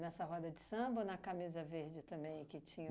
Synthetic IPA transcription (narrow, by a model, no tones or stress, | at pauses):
nɛsɐɦɔd̪ɐd͡ʒɪsɐ̃bɐnɐkamizɐveɾd͡ʒɪt̪ɐ̃mbẽj̃kɪt͡ʃĩɲɐ